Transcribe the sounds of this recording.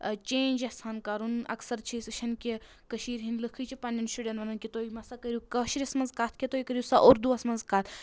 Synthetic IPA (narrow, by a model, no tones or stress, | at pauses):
t͡ʃẽːnʲd͡ʒɐhsʰaːnkaɾunɐ̰ksɐɾt͡ʃʰist͡ʃʰɐnkʲi | kɐʃiːɾɦinlɨkʰɨt͡ʃʰipɐnʲɐnsuɖʲent̪ʋɐnɐnkʲit̪oːimɐsakɐɾʲjukɐʃiɾiɐsmɐnzkaːt̪ʰkʲit̪oːikəɾʲjisaʔuɾd̪uɐsmɐnzkaːt̪ʰ